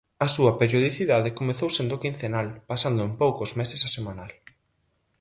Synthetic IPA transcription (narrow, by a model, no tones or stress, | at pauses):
ɐsuɐpeɾjoð̞iθiðaðekomeθowsend̪okinθenalpasand̪ʊempowkozmesesɐsemãnal